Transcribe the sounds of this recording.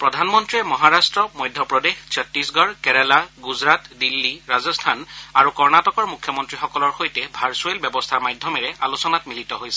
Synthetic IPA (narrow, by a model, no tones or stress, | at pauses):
pɹɔdʱanmɔntɹiɛmɔɦaɹastɹɔmɔjdʱjɔpɹɔdexsɔtːisɡɔɹkɛɹɛlaɡuzɹatdilːiɹazɔstʰanaɹukɔɹnatɔkɔɹmukʰjɔmɔntɹixɔkɔlɔɹxojtɛbʱaɹsuelbjɔbɔstʰaɹmajdʱjɔmɛɹɛalusɔnatmilitɔɦojsɛ̥